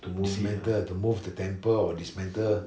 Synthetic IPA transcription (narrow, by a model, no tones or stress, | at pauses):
tumsmɛ̃ntətumuvdətɛ̃mpəɔdismɛ̃ntə